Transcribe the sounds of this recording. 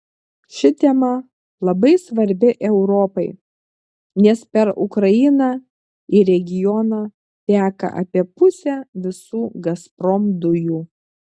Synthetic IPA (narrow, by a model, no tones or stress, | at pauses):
ʃʲɪt̪ʲɛmɐ | lˠɐbɐɪsʋɐɾʲbʲɪʔɛʊɾɔpɐɪ | nʲɛspʲɛɾʊ̰kɾɐɪnɑː | ɪɾʲɛɡʲɪjɔnɑː | t̪ʲæːkɐ̰ʔɐ̰pʲiɛpʊsʲæːʋʲɪsuːɡɐspɾɔmd̪ʊjuː